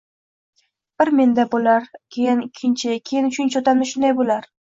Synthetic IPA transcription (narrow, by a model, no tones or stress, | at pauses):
b̥ɪɾme̞nd̪abolaɾkʲʰejɪnɪkʲʰːɪnt͡ʃʰɪkʲʰejɪnʊt͡ʃʰʊnt͡ʃʰot̪ʰamnɪʃʊnd̪ajbolaɾ